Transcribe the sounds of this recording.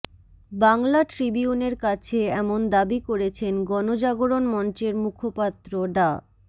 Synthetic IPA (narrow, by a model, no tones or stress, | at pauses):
baŋlaʈɾibiuneɾkat͡ɕʰeɛmond̪abikoɾet͡ɕʰenɡɔnod͡ʑaɡoɾonmɔnt͡ɕeɾmukʰopat̪ːɾoɖa